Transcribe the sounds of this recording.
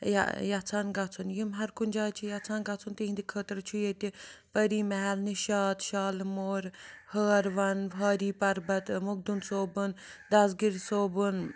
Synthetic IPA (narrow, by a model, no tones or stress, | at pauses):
ja̰jat͡sʰaːnɡat͡sʰunjimɦɐɾkunʲd͡ʒaːt͡ʃʰijat͡sʰaːnɡat͡sʰunt̪iɦĩnd̪ikʰəːt̪ɐɾt͡ʃʰujet̪ipɐɾiːmɛɦɛlniʃaːt̪ʃaːlmoːɾhəːɾʋɐnɦaːɾiːpɐɾbɐt̪muɡ̚d̪unsoːbɨnd̪ɐsɡiɾsoːbɨn